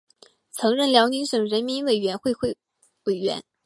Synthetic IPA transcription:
t͡sʰɤ˧˥ŋɻə˥˩nljɑ˧˥ʊni˧˥ŋʂɤ˨˩ŋɻə˧˥nmi˧˥nwe˨˩ɪɥɛ˧˥nxwe˥˧ɪxw | we˨˩ɪɥɛ̰˧˥n

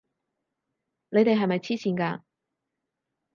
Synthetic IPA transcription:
ne˨˧jt̪e˨jɦɐ˨jmɐ˨jt͡sʰiː˥siː˧nkaː˧

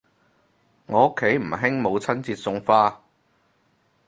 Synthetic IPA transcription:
ŋɔː˨˧ʊ˥kʰːe˨˥jm̩˨˩ɦɪ˥ŋmo˨˧wt͡sʰɐ˥nt͡siː˧t̚sʊ˧ŋfaː˥

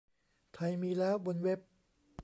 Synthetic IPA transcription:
t̪ʰa˧jmiː˧lɛː˦˥wbo˧nwe˦˥p̚

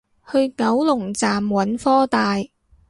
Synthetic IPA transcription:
hɵ˧ɥŋɐ˨˥wlʊ˨˩ŋt͡saː˨mwɐ˨˥nfɔː˥t̪aː˨j

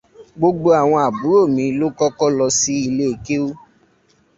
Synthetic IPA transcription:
ɡ͡bo˧ɡ͡bo˧a˨w̃ɔ̃˧a˨bu˨˦ɾo˦˨mĩ˨˧˦lo˦kɔ˦kɔ˦lɔ˧si˦i˧le˦e˨ke˦o˦

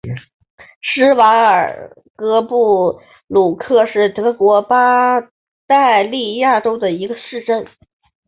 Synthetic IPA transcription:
ʂɻ̩˥wa˧˥ŋə˞˨˩ | kɤ˥pu˥˩ | lu˨˩kʰɤ˥˧ʂɻ̩˥˩t̪ɤ˧˥kwɔ˧˥pa˥ | t̪a˥˧ɪli˥˧ja˥˩ʈ͡ʂo˥ʊd̪ə˨i˧˥ɡə˧ʂɻ̩˥˧ʈ͡ʂə˥˩n

